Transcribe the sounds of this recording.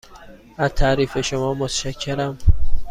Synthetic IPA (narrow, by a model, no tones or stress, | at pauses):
æzt̪ʰæːɾiːfeʃomɒːmot̪ʰʃæcʰːeɾæm